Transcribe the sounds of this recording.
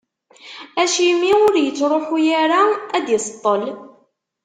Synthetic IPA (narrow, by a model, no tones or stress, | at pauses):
æʃimiʊɾjət͡sːɾˤoħujaɾaæd̪jəsˤt̪ˤːəl